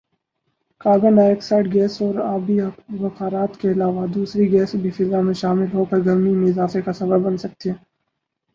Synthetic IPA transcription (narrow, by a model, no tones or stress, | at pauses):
kaːɡənɖaːeksaːʈɡɛːsɔːɾaːbiʋɐkaːɾaːt̪keɐlaːʋad̪uːsɾiɡɛːsbʱifɪzamẽʃaːmɪlɦokɐɾɡɐɾmimẽɪzaːfekasɐbəbbɐnsɐk̚t̪ieː